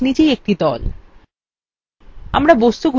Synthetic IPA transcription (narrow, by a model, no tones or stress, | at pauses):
nid͡ʑejek̚ʈid̪ɔl | a̰mɾabost̪uɡʱ